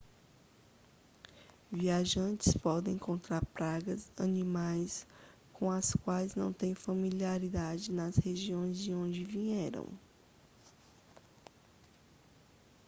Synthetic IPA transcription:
viaʒɐ̃t͡ʃɪspɔd̪ẽj̃kõnt̪ɾaɾpɾaɡɐzɐnĩmajs | kõɐskwajznɐ̰̃w̃t̪ẽj̃fɐmiliaɾid̪ad͡ʒɪnɐsheʒiõj̃zd͡ʒiõd͡ʒɪviɲɛɾɐ̰̃w̃

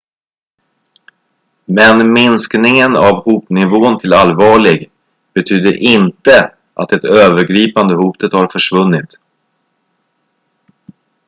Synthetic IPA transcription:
mɛnmɪnsknɪŋənavhuːpnɪvoːnt̪ʰɪlalvɑːɭɪɡ | b̥ɛt̪ʰyːd̪əɾʔɪnt̪ə | ʔat̪ɛt̪øːvəɾɡɾiːpand̪əhuːt̪ət̪haɾfœʂvɵnːɪt̪

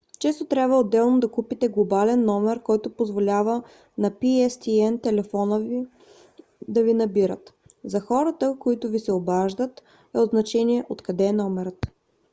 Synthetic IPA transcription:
t͡ʃɛst̪ot̪ɾʲabvəod̪ːɛlˠnod̪ɐkupit̪ɛɡlˠobalɛnːɔmɛɾkɔjt̪ʊpozvolʲavə | nɐpiɛst̪iɛnt̪ɛlɛfɔnəvi | d̪ɐvinɐbiɾət̪ | zɐxɔɾət̪əkoit̪ʊvisɛobaʒd̪ət̪ | ɛod̪znɐt͡ʃɛniɛʔot̪kɐd̪ɛːnɔmɛɾət̪

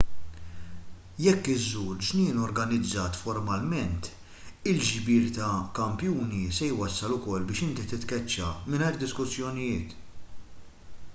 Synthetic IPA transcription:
jɛkːɪzːuːɾd͡ʒnɪːnɔɾɡɐnɪd͡zːɐːt̪fɔɾmɐlmɛnt̪ | ɪld͡ʒbɪːɾt̪ɐkɐmpjuːnisɛjwɐsːɐlʊkɔlːbɪːʃɪnt̪it̪ɪt̪kɛt͡ʃːɐmɪnɐjɾd̪ɪskʊsːjɔnɪjɪːt̪

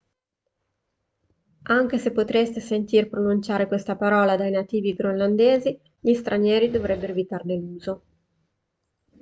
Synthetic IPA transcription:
aŋk̟esepːot̪ɾest̪esent̪iːrpɾonunt͡ʃaːɾekwest̪apaɾɔːlad̪ajnat̪iːviɡɾoland̪eːzi | ʎist̪ɾaɲjɛːɾid̪ovɾɛbːeɾovit̪arneluːzo

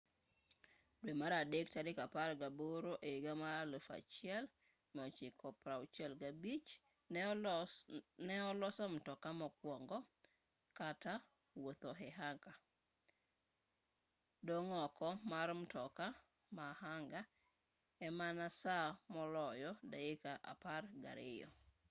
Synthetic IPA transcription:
dwemaɾadektaɾɪkapaɾɡaboɾoʔeɡamaalofa̰t͡ʃɪɛl | mɔt͡ʃɪkʰɔpɾaut͡ʃɛlɡabit͡ʃ | nɛɔlɔsam̩tɔkamɔkwɔŋɡɔ | kata | wot̪ɔɦɛɦaŋka | doŋɔkɔmaɾm̩tɔka | mahaŋɡa | ɛmanasamɔlɔjɔdaɪkaʔa̰parɡa̰ɾʔɪ̰jɔ̰

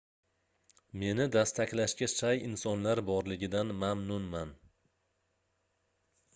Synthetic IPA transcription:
me̞nɪd̪ast̪ʰakʲlaʃkʲaʃajɪnsɒnlaɾbɒɾlɪɡʲɪd̪anmamnʊnman

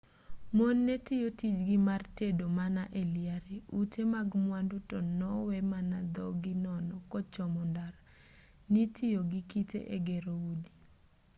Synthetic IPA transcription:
monːetɪjotid͡ʒɡɪmartedomanaʔeljaɾeutʰemaɡmwandutɔnɔwɛmanad̪ɔɡɪnɔnɔkɔt͡ʃɔmɔndaɾ | nitʰɪjoɡikitḛʔeɡeɾoudi

